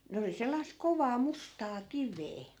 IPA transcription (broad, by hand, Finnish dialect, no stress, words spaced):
ne oli selːɑisk̆ koʋɑː mustɑː kiʋeː